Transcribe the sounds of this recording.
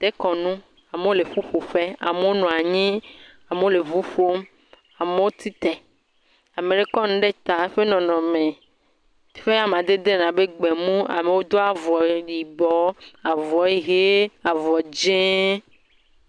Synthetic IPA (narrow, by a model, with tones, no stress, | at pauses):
t̪e˦kɔ˨nũ˦ | a˨me˦o˦le˨ɸu˦ɸo˨ɸe˦a̰˨me˦wo˦nɔ̃˨a˨ɲĩ˦ | a˨me˦o˦le˨vu˦ɸo˦m | a˨me˦wo˦t̪ʰi˦t̪ɛ˨ | a˨me˨ɖe˦kɔ˦nũ˦ɖe˦t̪a˨˦ɸe˦nɔ̃˨nɔ̃˨mẽ˨˦ | ɸe˦a˦m˨ã˨d̪e˦d̪e˦nã˨be˦ɡ͡be˨mũ˦a̰˨me˨wo˦d̪o˦a˨vɔ˨ɖi˨bɔ˦a˨vɔ˨˦e˦ɣe˦a˨vɔ˨d͡ʒẽ˦